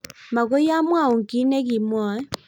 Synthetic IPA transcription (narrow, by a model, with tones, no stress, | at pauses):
ma˨ɣo˦ja˦mwa˦˨u˨ŋ˨ki˨˦nɛ˦ɣi˨mwɔ˦